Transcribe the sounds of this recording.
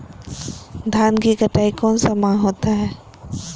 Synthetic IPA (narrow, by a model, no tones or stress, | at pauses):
d̪ʱaːnkikəʈaːikɔːnsamãɦoːt̪aɦɛː